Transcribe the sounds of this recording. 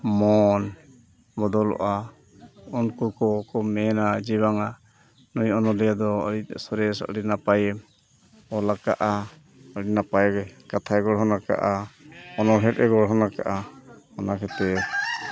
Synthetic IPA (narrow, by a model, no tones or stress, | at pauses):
mɔn | bɔd̪ɔlɔ̰ʔa | unkukɔkɔmɛnad͡ʒiβaŋa | nujɔnɔlijad̪ɔɔ̰ɽisɔɾɛsa̰ʔɽinapajɛ | ɔlaka̰ʔa | ɔɽinapajɡɛkat̪ʰaɛɡɔɽɦɔnaka̰ʔaɔnɔɦɛʈ̚ʔɛɡɔɽɦɔnaka̰ʔamɔnakʰɛt̪ɛ